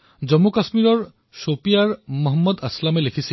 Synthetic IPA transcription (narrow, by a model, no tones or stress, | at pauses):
zɔmːukasmiɹɔɹ | sopijaɹmɔɦɔmːɔd̪ɐslamelekʰisi